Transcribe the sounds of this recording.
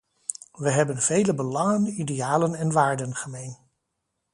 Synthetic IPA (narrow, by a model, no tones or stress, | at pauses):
ʋəɦɛbənvejləbəlɑŋənideaːlənɛnʋaːɹdənχəmejn